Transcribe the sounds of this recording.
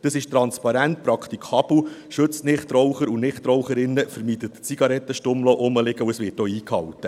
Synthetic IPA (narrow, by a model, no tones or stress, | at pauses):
d̥əsɪʃtɾɑnspɑɾænt̪̚pɾɑkʰt̪ikʰɑb̥lʃɵt͡snɪχt̪ɾɔwχəɾunɪχt̪ɾɔwχəɾɪnːəfəɾmiːdət̪t͡siɡ̥ɑɾɛt̪ːəʃtʊmloːʔʊməlɪɡəuəsʋɪːtoːiːkhɑwt̪ːə